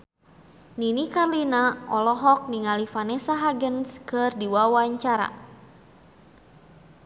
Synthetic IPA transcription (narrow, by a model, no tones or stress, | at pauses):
ninikarlinaʔɔlɔɦɔk̚niŋalifanɛsaɦaɡənskɨrdiwawaɲt͡ʃaɾa̰